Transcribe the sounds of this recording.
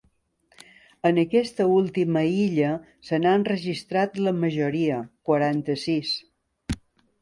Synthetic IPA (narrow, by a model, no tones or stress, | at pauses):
ənəkɛst̪əulˠt̪iməiʎə | sənaənrəʒist̪ɾat̪ləməʒuɾiəkwəɾant̪əsis